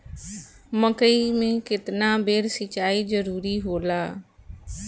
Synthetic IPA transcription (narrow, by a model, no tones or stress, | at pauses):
məkəimẽːkɪt̪naːbeːɾsət͡ʃaːizəɾuːɾiɦoːlaː